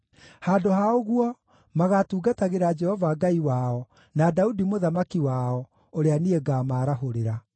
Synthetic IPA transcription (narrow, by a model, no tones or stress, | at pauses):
haːdohaoɣwɔ | maɣatuːɡataɣeɾad͡ʒɛhɔvaɡaiwaɔ | nadaudimoðamakiwaɔ | oɾeanieɡaːmaːɾaɦoɾeɾa